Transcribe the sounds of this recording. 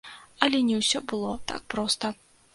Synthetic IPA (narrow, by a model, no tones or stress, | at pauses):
ɐlʲɛnʲɛwsʲɔbɨlˠɔt̪a̰k̚pɾɔst̪ɐ